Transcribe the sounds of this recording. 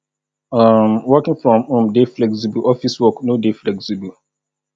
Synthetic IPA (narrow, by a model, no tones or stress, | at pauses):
amwɔkɪ̃ŋfɹɔ̃mõmdeflɛksibəɔfiswɔknodeflɛksibəl